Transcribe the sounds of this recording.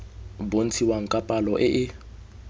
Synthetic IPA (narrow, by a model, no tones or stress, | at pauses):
bon̩t͡sʰiwaŋ̩kʼapʼalɔʔɪʔɪ